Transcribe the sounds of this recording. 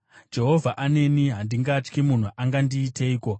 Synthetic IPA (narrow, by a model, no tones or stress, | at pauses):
d͡ʒe̞ɦo̞vʱaʔane̞niɦandiŋɡat͡ʃkimun̤uʔaŋɡandiːtʰe̞iːko̞